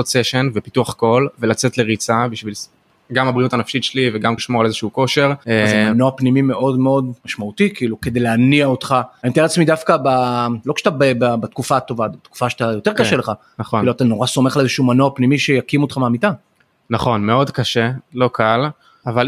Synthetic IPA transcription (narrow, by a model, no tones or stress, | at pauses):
ot͡seʃenvepituaχko̞lvelat͡setleʁit͡sabiʃvil | ɡamabʁiutanafʃitʃeliveɡamiʃmo̞ʁalezeʃuuko̞ʃe̞ʁezmanoapnimime̞ʔo̞dmeo̞dmaʃmaut̪ikiːluke̞dejleaniaot̪χaaimt̪ieat͡smid̪afkabalo̞kʃe̥t̪abaebabat̪kufat̪o̞vabet̪ku̥faʃe̥t̪ajo̞t̪e̞ʁkaʃeleχakaχiluat̪ano̞ʁaso̞me̞χalezeʃuumanoapnimiʃejakimot̪χameamita | naχo̞nme̞o̞dkaʃelo̞kʰal | aval